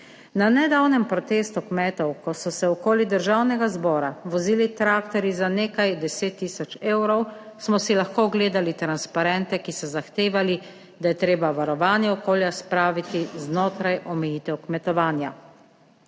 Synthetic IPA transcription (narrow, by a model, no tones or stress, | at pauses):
nanɛd̪awnɛmpɾɔt̪eːst̪ukmɛːt̪ɔwkɔsɔsɛɔkoːlid̪əɾʒawnɛɡazbɔːɾaʋɔziːlit̪ɾaːkt̪ɔɾizaneːkajd̪ɛseːt̪ːiːsɔt͡ʃeːwɾɔwsmɔsilaxkoːɡleːd̪alit̪ɾanspaɾɛnt̪ɛkisɔzaxt̪eːʋali | d̪ajɛt̪ɾeːbaʋaɾɔʋaːnjɛɔkoːljaspɾaːʋit̪iznoːt̪ɾajʔɔmɛjiːt̪ɛwkmɛt̪ɔʋaːnja̰